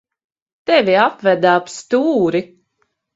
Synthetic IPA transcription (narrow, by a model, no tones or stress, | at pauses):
t̪ɛvʲiapvæd̪aːpst̪uːɾi